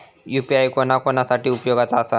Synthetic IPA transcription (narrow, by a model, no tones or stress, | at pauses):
jupiajkonakonasaʈiːupjoɡat͡saːsa